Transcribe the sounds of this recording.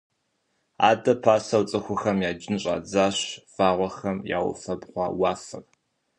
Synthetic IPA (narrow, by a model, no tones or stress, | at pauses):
a̰ːdɐpʰaːsɐwt͡sʼɨxʷʊxɐmjaːd͡ʒɪnɕʼa̰ːd͡zaːɕv̥aːʁʷɔxɐmja̰ːwʊ̰fɐbʁʷɑ̰ːwɑːfɨr